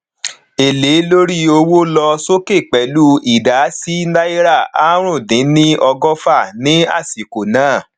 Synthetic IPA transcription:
e˨le˨˦lo˦ɾi˦o˧wo˦lɔ˧so˦ke˦˨k͡pɛ˨˦lu˦i˨da˨˦si˦na˦i˦ɾa˦˨a˦ɾ̃ũ˦˨dĩ˨˦nĩ˦ɔ˧ɡɔ˦fa˦˨nĩ˦a̰˦˨si˨ko˨nãː˨˦˨

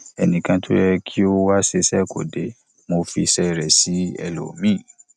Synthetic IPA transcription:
ɛ˨nĩ˨kã˧tʰo˦jɛ˧kʰi˦o˦wa˦se˧sɛ˦˨ko̰˨de˨˦ | mo˧fi˧sɛ˦ɾɛ˨si˨˦ɛ̰˧lo̰˨mĩ˦˨

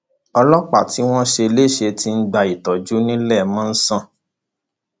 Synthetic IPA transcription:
ɔ˧lɔ˦k͡pa˨ti˨˦w̃ɔ̃˦ʃe˧le˦˨ʃe˧ti˧n̩˦ɡ͡ba˧i˨tɔ˨d͡ʒu˨˦nĩ˦lɛ˦˨mɔ̃˦n̩˦sã˦˨

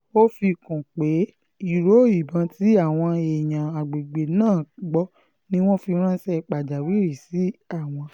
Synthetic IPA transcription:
o˦fi˧kũ˨k͡pe˨˦ | i˦˨ɾo˨˦˨i˨bã˨˧ti˦a˦˨w̃ɔ̃˧e˨j̃ã˨a˨ɡ͡be˨ɡ͡be˨nãː˦˨ɡ͡bɔ˦ | nĩ˦w̃ɔ̃˦fi˧ɾ̃ã˦sɛ˦˧k͡pa˨d͡ʒa˨wi˨˦˨ɾi˨si˨˦a˦˨w̃ɔ̃˧

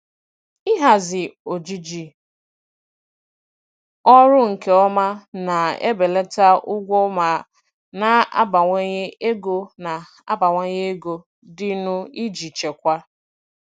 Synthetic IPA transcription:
ɪ˦ɦa˨zɪ˨o˨d͡ʒi˦d͡ʒi˨ | ɔ˦ɾʊ˦ŋ̩˨ke˨ɔ˦ma˦na˨ḛ˦be˨le˦ta˦ʊ˦ɡʷɔ˦ma˨ | na˨a̰˦ba˨ŋʷe˦ɲe˦e˦ɡo˦na˨ | a̰˦ba˨ŋʷe˦ɲe˦e˦ɡo˦ | dɪ˦nʊ˦i˦d͡ʒi˨t͡ʃe˨kʷa˦

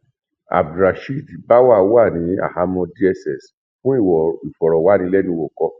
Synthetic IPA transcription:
a̰˨bdɾa˨ʃi˦˨di˨ba˦wa˦˨˦wa˦˨nĩ˨˦a̰˦˨ha˧mɔ̃˧di˦ɛ˧sɛ˨s | fũ˦i˦˨wɔ˨i˨fɔ˨ɾɔ˨wa˨˦nĩ˧lɛ˦nĩ˧wo˨kɔ˧

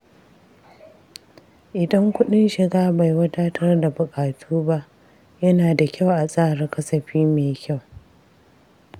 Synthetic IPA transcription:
ʔɪ˨dɐ˦ŋkʷʊ˦ɗɪ˦nʃɪ˨ɡaː˦ba˨jwɐ˦taː˦tʰɐ˦rda˨bʊ˨kʼaː˨tʰuː˦ba˦ʔ | jɐ˦naː˨da˨kʲʰa˦˨wʔa˨sʼaː˦˨ɽɪ˦kɐ˦sɐ˨ɸiː˦meː˨jkʲa˦˨w

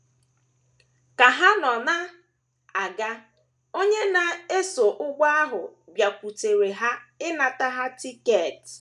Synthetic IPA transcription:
ka˨ɦa˦nɔ˨na˦ | a˨ɡa˦ | o˦ɲe˦na˨e˦so˨ʔʊ˦ɡʷa˦a˦ɦʊ˨ɡ͡bja˨kʷu˨te˨ɾe˨ɦa˦ɪ˦na˨ta˦ɦa˦ti˦ke˨t

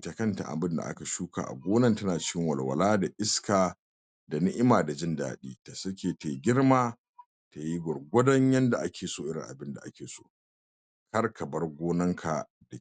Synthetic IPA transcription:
tɐ˨kɐ˦nta̰˨ʔa̰˨bɪ˦nda̰˨ʔa̰˦ka˨ʃuː˦ka̰ː˨ʔa̰˨ɡʷoː˦nɐ˦ntɐ˦naː˨t͡ʃɪ˦kʲɪ˦ŋwɐ˨lwɐ̰˨laː˦da˨ʔɪ˦skaː˨ | da˨nɪ˦ʔɪ˦maː˨da˨d͡ʒɪ˦nda̰ː˨ɗiː˦ta˨sɐ˦kʲeː˨te˨ɡʲɪ˦rmaː˦ | ta˨ji˦ɡʷɔ˨rɡʷɐ˦dɐ˦ɲjɐ˦nda˨ʔa˦kʲeː˨soː˦ʔɪ˦ɾɪ̰˨ŋʔa̰˨bɪ˦nda̰˨ʔa˦kʲeː˨so̰ː˦ʔ | kɐ˦rkʰɐ˨bɐ˦rɡʷoː˦nɐ˦ŋkʰa˨ | da˨

